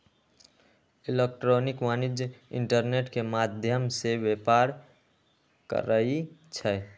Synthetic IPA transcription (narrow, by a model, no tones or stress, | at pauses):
ilek̚ʈɾoːnikmanid͡ʒɪ̰ɳʈəɾneʈkemad̪ʱjəmseʋepaɾ | kə̰ɾəit͡ʃʰɛ